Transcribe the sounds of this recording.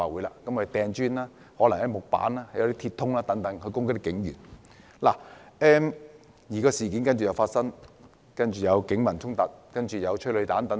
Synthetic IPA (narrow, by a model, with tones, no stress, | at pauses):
aː˨˩wuː˨˥jlaː˧kɐ˨˥mkːt̪ɛː˨˧ŋt͡ʃyː˥naː˥ | hɔː˨˥lɐ˨˩ŋhɐ˨˥jmʊ˨k̚pa̰ː˨˥naː˥hɐ˨jɐ˨˧wt̪iː˥tʰiː˧t̪ʰːʊ˥ŋlaː˥t̪ɐ˨˥ŋt̪ɐ˨˧˥ŋkʰɵ˨˧ɥkʊ˥ŋkkt̪ɪ˥kːɪ˨˧˥ŋjy̰ː˨˩n | la̰ː˨˩ʔɛː˧m | jiː˨˩kɔː˧siː˨˩kiː˨˥nkɐ˥nt͡ʃy˨jɐ˨˧wfaː˧t̚sɐ˥ŋ | kɐ˥nt͡ʃyː˨˩jɐ˨˧wkɪ˨˥ŋmɐ˨˩nt̪ʰʊ˥ŋt̪ɐ˨t̚kɐ˥nt͡ʃyː˨˩jɐ˨˧wt͡ʃʰɵ˥lɵ˨˧jt̪aː˨˧˥nt̪ɐ˨˥